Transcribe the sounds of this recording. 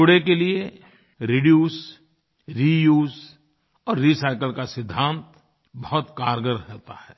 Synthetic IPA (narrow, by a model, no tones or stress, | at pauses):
ʊɽekelie | ɾiɖjuːs | ɾijuːz | ɔːɾːisaːɪkəlkasɪd̪ʱːãːnt̪ | bɐɦʊt̪kaːɾɡəɾɦɛt̪ahɛː